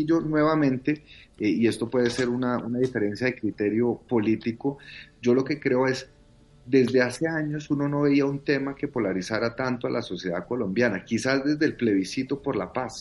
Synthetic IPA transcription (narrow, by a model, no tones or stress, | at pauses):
iʝo̞nwe̞βamẽnt̪e̞ie̞st̪o̞pwe̞ð̞ese̞ɾunaunaðife̞ɾe̞nsjaðekɾit̪e̞ɾjo̞po̞lit̪iko̞d͡ʒo̞lo̞ke̞kɾe̞o̞e̞s | d̪e̞zd̪e̞ase̞aɲo̞suno̞no̞βe̞iaunt̪e̞make̞po̞laɾisaɾat̪ant̪oalʔaso̞sje̞ða̰ko̞lo̞mbjanakisazd̪e̞zd̪elple̞βisit̪o̞po̞ɾlapas